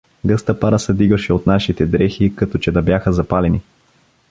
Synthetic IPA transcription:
ɡɤst̪əpaɾəsɛd̪iɡəʃɛot̪naʃit̪ɛd̪ɾɛxikɐt̪ɔt͡ʃɛd̪ɐbjaxəzɐpalɛni

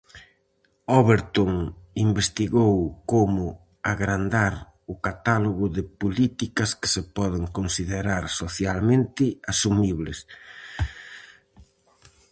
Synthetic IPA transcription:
oβeɾt̪oŋimbest̪iɣowkomʊ | aɣɾand̪aɾ | ʊkat̪aloɣʊðɪpolit̪ikɐskɪ̥sɪpɔðɪŋkonsiðeɾaɾsoθjalmẽnt̪ɪasumiβlɪs

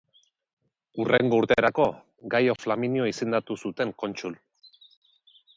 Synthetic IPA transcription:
ureŋɡo̞uɾt̪e̞ːɾako̞ | ɡajo̞flaminjoise̞nd̪at̪usut̪e̞ŋko̞nt͡ʃul

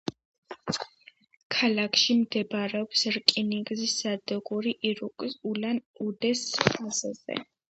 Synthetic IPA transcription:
kʰalakʰʃimd̪ɛbaɾɛɔpsɾkʼiniɡzisːad̪ɛɡʼuɾiʔɾuulanud̪ɛsχaza̰zɛ̰

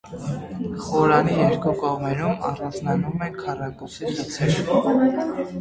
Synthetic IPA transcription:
χɔɾɑnijɛɾkukɔʁmɛɾumɑ̰rɑnd͡znɑnumɛkʰɑrɑkusilut͡sʰɛɾ

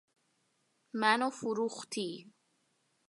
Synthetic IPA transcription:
manofuɾuxt̪i

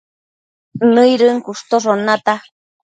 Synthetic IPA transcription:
nɨjɾɨŋkuʂt̪oʐonat̪a

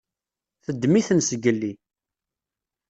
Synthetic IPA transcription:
θəd̪ːmiθənsəɡəlːi

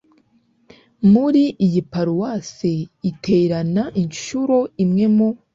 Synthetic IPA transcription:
muɾiʔːjipaɾuwaseitʰe̞ːɾanaʔinʃuɾo̞imŋe̞mo

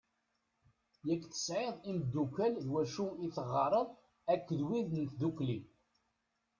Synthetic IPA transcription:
jækːθə̥sʕeðˤimd̪ːukælðwæʃuiθəʁːɑɾˤəðˤ | ækːəðwiðnt̪d̪ukːli

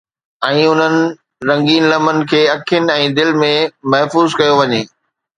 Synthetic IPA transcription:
ɛ̃ːʊn̤ənɪ̆ | ɾɐ̃ŋɡiːnlɐmənɪ̆kʰeːɐkʰijənɪ̆ɛ̃ːd̪ɪlmẽmɐɦfuːzkɐjoʋɐɲeː

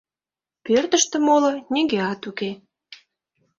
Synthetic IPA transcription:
pørt̪ə̆ʃt̪ə̆moloneŋɡeɑt̪uke

